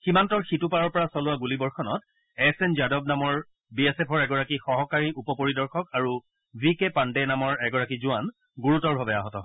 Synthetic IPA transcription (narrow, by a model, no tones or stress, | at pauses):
ximantɔɹxitupaɹɔɹpɔɹasɔlʊwaɡulibɔɹxɔnɔt | ɛsɛnd͡ʒadɔb̚namɔɹ | biɛsɛpʰɔɹɛɡɔɹakixɔɦɔkaɹiʔupɔpoɹidɔɹxɔkaɹu | vikepandenamɔɹɛɡɔɹakizʊan | ɡuɹutɔɹbʱabɛaɦɔtɔɦɔ